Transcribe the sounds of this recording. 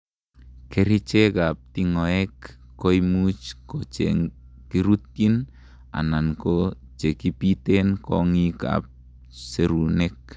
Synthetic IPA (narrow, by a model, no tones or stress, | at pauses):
keɾit͡ʃekap̚t̪iŋɔɛkːojmut͡ʃkot͡ʃḛŋ | kiɾut̪in | a̰nanko | t͡ʃekipit̪enkɔŋika̰p̚ | seɾunɛk̚